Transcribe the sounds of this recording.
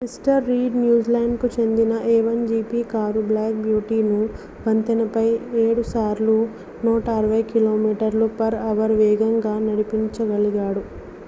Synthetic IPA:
isʈɐɾːiːɖnjuːd͡ʒlɐjnɖkut͡ʃe̞nd̪inɐʔeːʋɐnd͡ʒiːpiːkaːɾublaːk̚bjuːʈiːnu | bɐnt̪ɐnɐpɐjeːɽusaːɾlu | nɔːʈɐːɾɐʋɐjkiloːmiːʈɐɾlupɐɾɐʋɐɾʋɛːɡɐŋɡaːnɐɽipiɲt͡ʃɐɡɐɭiɡaːɽu

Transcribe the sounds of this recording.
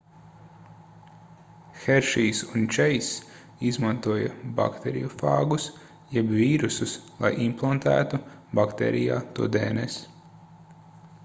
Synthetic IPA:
xɛɾʃiːsunt͡ʃɛjs | izmãnt̪uɔjɐ̰ba̰kt̪ɛɾḭjufa̰ːɡus | jɛbviːɾususlˠa̰jʔimplˠant̪æ̰ːt̪ubakt̪ḛːɾija̰ːt̪uɔd̪ḛːnɛs

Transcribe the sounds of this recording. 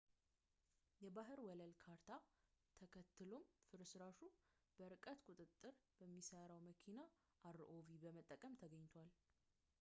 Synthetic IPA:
jɛbaɦɨɾwɔləlkʰaɾt̪ʰat̪ʰəkʰət̪ʰːɨlo̞mfɨɾsɨɾaʃu | b̥əɾɨkʼət̪kʼut̪ʼɨt̪ʼːɨɾb̥əmːisəɾawməkʰina | ʔaɾʔovibəmət̪ʼːəkʼəmt̪ʰəɡəɲːt̪ʰwal

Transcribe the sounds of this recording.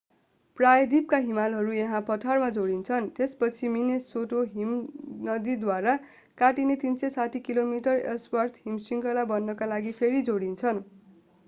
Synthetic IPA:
prajʌd̪ip̚kaɦimalɦʌɾujʌ̃ɦãpʌt̪ʰarmad͡zoɽint͡sʰʌnt̪espʌt͡sʰiminesoʈoɦimnʌd̪id̪waɾa | kaʈinet̪insʌsatʰikilomiʈʌrḛswart̪ʰɦimsiŋkʌlabʌnːʌkalaɡipʰeɾid͡zoɽint͡sʰʌn

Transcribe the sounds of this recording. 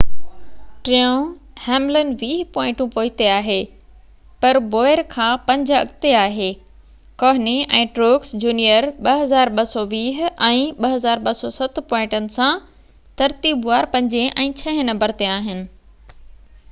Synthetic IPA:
ʈɾiõhɛːmlənʋiːɦpɔːɪ̃ʈũpoːɪt̪eaːɦeː | pɐɾboːɪɾkʰãːpɐ̃ɲd͡ʑɐ̰ɠt̪eaːɦeː | kɔːɦniɛ̃ːʈɾoːksd͡ʑuːnijəɾɓɐɦɐzaːɾɓɐsɔʋiːɦɛ̃ːɓɐɦɐzaːɾɓɐsɔsɐt̪pɔ̃ːɪ̃ʈənɪ̆sã | t̪ɐɾt̪iːbʋaːɾpɐ̃ɲd͡ʑẽʔɛ̃ːt͡ɕʰɐ̃ɦɪ̃nɐ̃mbəɾt̪eaːɦɪnɪ̆

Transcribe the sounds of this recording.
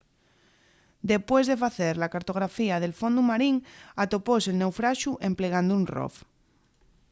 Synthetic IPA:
d̪e̞pwe̞zðe̞faθeɾlakaɾt̪o̞ɣ̞ɾafiað̞e̞lfõnd̪umaɾiŋat̪oposelne̞wfɾaʃuʔe̞mpleɣ̞and̪uunro̰f

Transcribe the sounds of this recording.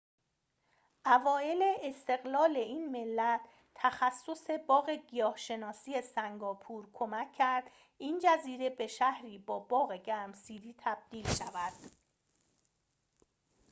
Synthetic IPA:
ʔævɒːe̞leːst̪e̞ɣlɒːleiːnme̞lːæt̪ʰː | æxæsːo̞se̞bɒːɣe̞ɡijɒːhʃe̞nɒːsiːe̞sæŋɡɒːpʰuːɾkʰo̞mæcʰːæɾd̪̥ | ʔiːnd͡ʒæziːɾe̞be̞ʃæhɾiːbɒːbɒːɣeɟæmsiːɾiːt̪ʰæb̥̚d̪̥iːlʃævæd̪̥

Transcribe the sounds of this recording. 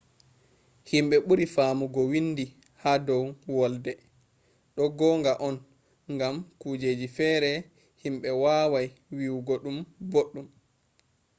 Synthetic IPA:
himɓɛɓuɾifaːmuɡɔwinːdi | haːdɔwwɔldɛ | ɗɔɡɔːŋɡaʔɔn | ŋɡamkuːd͡ʒeːd͡ʒifɛːɾɛ | himɓɛwaːwajwiwɡɔɗumboɗːum

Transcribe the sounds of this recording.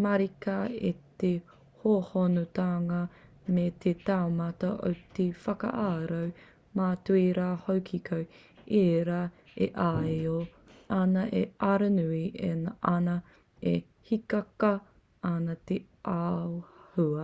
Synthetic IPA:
mɐɾikɐḭte | hohonutaːŋɐ | met̪ʰetaomɐtɐʔo̰wtefɐkɐ̰ʔaːɾɐw | maːtuiɾaːhowkʰikʰow | eːɾa | ḛʔajo | anɐʔeʔɐɾɐnuienaʔɐnɐ | e | hikɐkɐ | anɐt̪e | ʔaohuɐ

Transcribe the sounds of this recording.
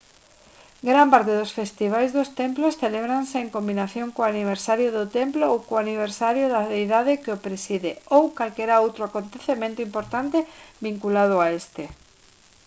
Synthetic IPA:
ɡɾampaɾt̪eðosfest̪iβ̞ajzðʊst̪emplosθeleβɾanseeŋkombinaθjõŋkoaniβeɾsaɾjʊðʊt̪emploowkoaniβ̞eɾsaɾjoðaðejðaðekeopɾesiðeowkalkɛɾaowt̪ɾoakont̪eθemẽnt̪ʊimpoɾt̪ant̪ebiŋkulað̞ʊaest̪e

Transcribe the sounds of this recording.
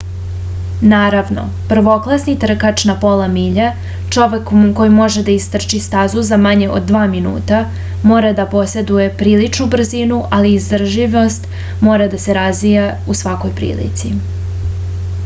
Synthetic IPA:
naːɾaʋno̞̰ | pr̩ʋo̞klˠasnit̪r̩kat͡ʃnapo̞lamiʎa | t͡ʂo̞ʋe̞kmko̞jimo̞ʒed̪aist̪r̩t͡ʃist̪azuzamaɲe̞ʔo̰d̪̚ːʋaːminṵːt̪a | mo̞ːɾad̪apo̞se̞d̪uje̞pɾiːlit͡ʃnubr̩zinuʔaliːzd̪rʒiʋo̞st̪ | mo̞ːɾad̪ase̞ɾazʋijausʋako̞jpɾḭːlḭt̪si

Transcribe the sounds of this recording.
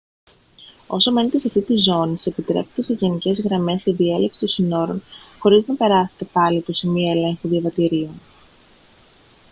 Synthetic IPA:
o̞some̞net̪esɐft̪it̪izo̞nise̞pit̪ɾe̞pet̪ese̞ʝenice̞zɣɾɐme̞seðie̞lepsi̥t̪osino̞ɾo̞nxo̞ɾiznɐpe̞ɾɐse̞̥t̪epɐlipo̞semioe̞le̞ŋxuðiɐvɐt̪iɾio̞n

